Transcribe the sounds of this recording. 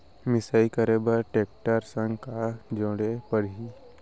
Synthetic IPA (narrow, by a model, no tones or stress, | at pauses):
mɪsaikəɾebəɾʈeːk̚ʈəɾsə̃ŋɡkad͡ʒɔ̃ːɽepəɾɦi